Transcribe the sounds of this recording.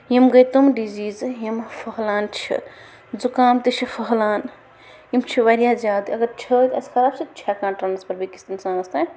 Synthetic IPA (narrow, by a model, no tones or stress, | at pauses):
jimɡɐjt̪umɖiziːzjimfʰɐɦlaːnt͡ʃʰḭ | d͡zukaːmt̪it͡ʃʰifʰɐɦlaːn | jimt͡ʃʰiʋɐɾjaːzʲaːd̪iɐɡɐɾt͡ʃʰət̪ɐskʰɐɾaːbsit͡ʃʰakãːnʈɾɐnɐspɐɾbikist̪insãːɡɐst̪a